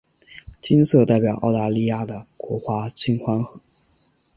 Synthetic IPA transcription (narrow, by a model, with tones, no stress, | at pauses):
t͡ɕi˥nsɤ˥˧t̪a˥˩ɪpjɑ˨˩ʊʔɑ˥˩ʊt̪a˥˧li˥˧ja˥˩d̪ə˩kwɔ˧˥xwa˥t͡ɕʰi˥nxwa˥nxɤ˧˥˦